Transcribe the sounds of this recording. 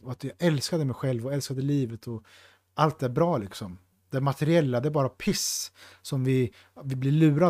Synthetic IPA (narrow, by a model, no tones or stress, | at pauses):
ɔat̪jɑːɛlskad̪əmɛjɧɛlvɔɛlskad̪əliːvət̪ʰɔ | alt̪̚æɾbɾɑːlɪksɔm | d̪̥ɛmat̪ʰɛɾɪɛlːad̪ɛæɾbɑːɾapʰɪssɔmvɪ | vɪblɪɭʉ̟ːɾa